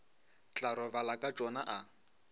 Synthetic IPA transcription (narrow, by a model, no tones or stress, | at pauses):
t͡ɬʼaɾɔbalakʼat͡ʃʼɔnaʔa